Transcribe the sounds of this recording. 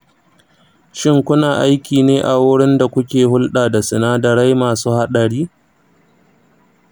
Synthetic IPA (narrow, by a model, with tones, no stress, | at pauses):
ʃɪ˦ŋkʷʊ˦naː˨ʔa˦jkʲiː˨neː˦ʔa˨wʊ˦ɽɪ˦nda˨kʷʊ˦kʲeː˨hʊ˦lɗaː˨da˨sɪ˨naː˦dɐ˨ɾa˦jmaː˨suː˦ha˦ɗɐ˨ɽiː˦